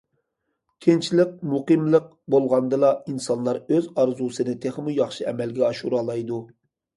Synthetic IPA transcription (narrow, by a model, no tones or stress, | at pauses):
kʲʰent͡ʃʰilɪq̚muqɨmlˠəq̚bolˠʁɑnd̪ɨlˠɑinsɑnlˠɑɾøzɑɾzusɨnɨt̪ʰeχmujɑχʃɨɛmɛlɡʲɛɑʃuɾɑlˠɑjd̪u